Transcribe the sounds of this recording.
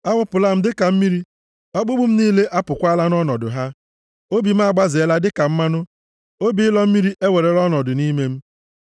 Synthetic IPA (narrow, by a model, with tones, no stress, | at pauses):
a˦wʊ˦pʊ˨la˦m̩˦dɪ˦ka˨m̩˦mi˦ɾi˦ | ɔ˦ɡ͡bʊ˦ɡ͡bʊ˦m̩˦niː˦le˦ʔa˦pʊ˨kʷa˦la˦nɔ˦nɔ˨dʊ̰˨ɦa˦ | o˦bi˨m̩˦a˦˨ɡ͡ba˦zɪ˨e˦la˦dɪ˦ka˨m̩˦ma˦nʊ˦ | o˦bi˨ɪ˦lɔ˦m̩˦mi˦ɾi˦ʔe˦we˨ɾe˨ɾɔ˦nɔ˨dʊ˨ni˦me˦m̩˦